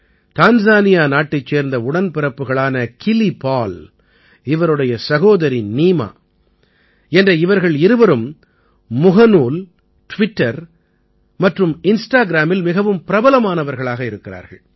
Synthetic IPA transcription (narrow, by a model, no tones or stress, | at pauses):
t̪aːnzaːnɪjaːnaːʈːɐɪt͡ʃːeːɾnd̪ɐʊɽɐnpɪɾɐpːɯɣɐɭaːnɐkɪlipaːl | ɪʋɐɾɯɽɐjɐsɐɣoːðɐɾiniːma̰ː | ɛndrɐɪʋɐɾɣɐɭɪɾɯʋɐɾɯmː | ʊɣɐnuːl | ʈʋɪʈːɐɾ | mɐʈrɯmɪnsʈaːɡɪɾaːmɪlmɪɣɐʋɯmpɪɾɐbɐlɐmaːnɐʋɐɾɣɐɭaːɣɐɪɾɯkːɪɾa̰ːɾɣɐɭ